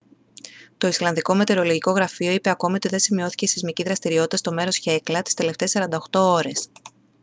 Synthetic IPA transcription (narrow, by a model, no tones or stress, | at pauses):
t̪o̞islɐnðiko̞me̞t̪e̞ɾo̞loʝiko̞ɣɾɐfio̞ipe̞ɐko̞mio̞t̪iðe̞nsimio̞θi̥ce̞isizmiciðɾɐst̪iɾio̞t̪it̪ɐst̪o̞me̞ɾo̞sçe̞klɐt̪i̥st̪e̞le̞ft̪e̞sɐɾɐnd̪ɐoxt̪o̞o̞ɾe̞s